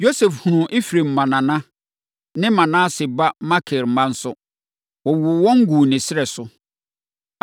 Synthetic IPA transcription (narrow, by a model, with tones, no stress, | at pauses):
jo˦sɛ˨fhu˨ʊ̃˨ʔi˦fɾe˨m̩˨mã˨nã˨nã˦ | nɪ̃˦mã˨nã˦sɪ˨ba˦ma˦kʰɪ˨ɾm̩˦mã˦n̩˦sʊ˦ | wɔ˨wʊ˨wɔ̃˦ŋ̩˦ɡu˨nɪ̃˨sɪ˦ɾɛ˨sʊ˦